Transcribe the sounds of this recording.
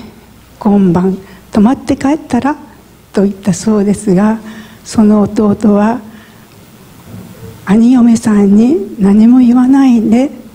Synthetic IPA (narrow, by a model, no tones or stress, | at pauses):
ɡ̥õ̞mbãnt̪o̞mat̪ːe̞kaet̪ːaɾa | t̪o̞it̪ːaso̞ːd̪e̞sɨɡaso̞no̞ːt̪o̞ːt̪o̞βa | aɲ̟ijo̞mesãɲ̟ːinaɲ̟imo̞jiβanaind̪e̞